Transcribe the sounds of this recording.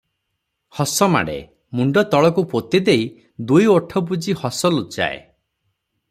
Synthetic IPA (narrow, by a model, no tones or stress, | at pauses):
hɔsɔma̰ɽḛ | muɳɖɔt̪ɔɭɔkupot̪id̪ej | d̪ujoʈʰɔbud͡ʒihɔsɔlut͡ʃa̰ḛ